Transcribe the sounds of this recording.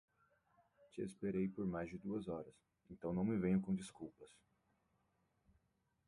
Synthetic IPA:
t͡ʃɪḛspeɾejpoɾmajzd͡ʒɪd̪uɐzɔɾɐs | ẽnt̪ɐ̃w̃nɐ̃w̃mɪvẽɲʊkõd͡ʒiskuwpɐs

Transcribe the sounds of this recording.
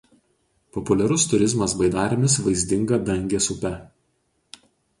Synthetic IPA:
pɔpʊlʲɛɾʊst̪ʊɾʲɪzmɐsbɐɪd̪ɑːɾʲɪmʲɪsʋɐɪzʲd̪ʲɪŋɡɐd̪ɐŋʲɡʲeːsʊpʲɛ

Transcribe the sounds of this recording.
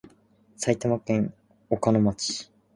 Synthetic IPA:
sait̪amakẽ̞ŋ | okanomat͡ɕi̥

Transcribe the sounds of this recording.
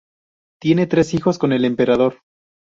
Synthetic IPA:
t̪je̞ne̞t̪ɾe̞sixo̞sko̞ne̞le̞mpe̞ɾað̞o̞ɾ

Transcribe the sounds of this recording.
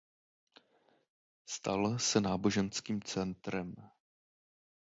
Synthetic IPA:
st̪a̰lsɛnaːbo̞ʒɛnskiːmt͡sɛnt̪ɾɛm

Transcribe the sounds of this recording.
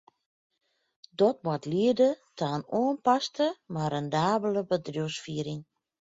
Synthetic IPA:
dɔt̚mwɔtliədətʰaənoːənpastəmarɛndaːbələbədrjuəsfiəɾɪŋ

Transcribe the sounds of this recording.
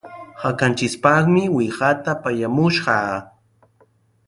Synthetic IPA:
hakant͡ʃɪspɑχmɪwɪɢat̪apajamʊʃɢɑ

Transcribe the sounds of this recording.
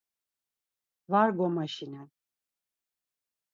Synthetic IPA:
vaɾɡɔmaʃinɛn

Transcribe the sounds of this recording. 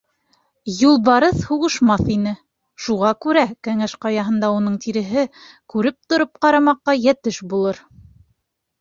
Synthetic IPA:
julˠbɑɾɤθhuʁɤ̆ʃmɑθinɘ | ʃuʁɑkʉɾækæŋæʃqɑjɑɦɤ̆nd̪ɑunɤɴt̪iɾɘ̆ɦɘ | kʉɾɘp̚t̪ŏɾɤp̚qɑɾɑmɑqːɑjæt̪ɘʃbulˠɤɾ

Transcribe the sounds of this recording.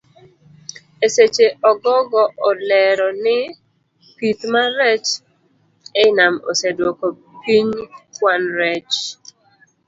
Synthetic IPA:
eset͡ʃeʔɔɡɔɡɔʔɔlɛɾɔnɪ | pit̪maɾɛt͡ʃ | ɛɪnamo̰sedwoko | piɲkwanɾɛt͡ʃ

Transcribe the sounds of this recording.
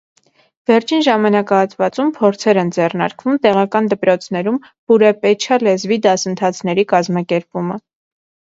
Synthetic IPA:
vɛɾt͡ʃʰinʒɑmɑnɑkɑɑt̪ʰvɑt͡sumpʰɔɾt͡sʰɛɾɛnd͡zɛrnɑ̰ɾkvumt̪ɛʁɑkɑnd̪əpɾɔt͡sʰn̪ɛɾum | b̥uɾɛpɛt͡ʃʰɑlɛzvid̪ɑsənt̪ʰɑt͡sʰnɛɾikɑzmɑkɛɾpumə

